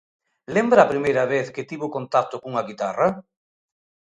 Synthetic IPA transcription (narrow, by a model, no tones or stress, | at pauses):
lembɾaːpɾimejɾɐβeθkɪt̪iβʊkont̪at̪ʊkuŋɐɣit̪arɐ